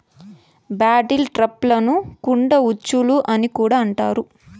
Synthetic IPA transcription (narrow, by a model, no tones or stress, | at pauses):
baːʈilʈɾɐplɐnukuɳɖɐut͡ʃːuluʔɐnikuːɽaːɐɳʈa̰ːɾu